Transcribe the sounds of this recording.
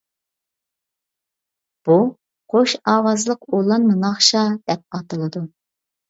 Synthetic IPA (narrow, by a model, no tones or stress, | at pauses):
b̥u | qʰoʃɑːwɑzlˠəqolˠɑnmɨŋɑχʃɑd̪̥ɛp̚ɑt̪ɨlˠɨd̪u